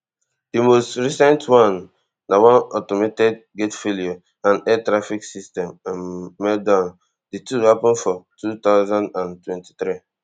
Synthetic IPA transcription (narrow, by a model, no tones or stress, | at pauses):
d̥imostɹisɛ̃ntwãnː | awɔ̃nɔtometɛk̚ɡetfelio | ãnɛtɾafiksistɛ̃mãmːɛdãn | dituhapɔ̃nfɔtut̪aʊzãndãntwɛ̃nti̥t̪ɾi